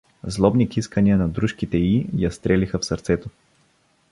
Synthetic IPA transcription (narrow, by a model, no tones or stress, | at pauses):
zlˠɔbnikiskəniənɐd̪ɾuʃkit̪ɛijɐst̪ɾɛlixəfsɐɾt̪sɛt̪o